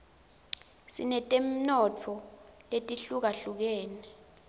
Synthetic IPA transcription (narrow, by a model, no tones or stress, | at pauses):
sḭnɛtʼem̩nɔtʰɔletʼiɬuk̬aɬuk̬ɛːnɛ